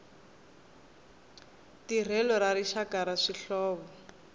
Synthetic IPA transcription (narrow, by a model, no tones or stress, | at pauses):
tir̤ɛlɔɾaɾiʃakaɾaʂiɬɔːβɔ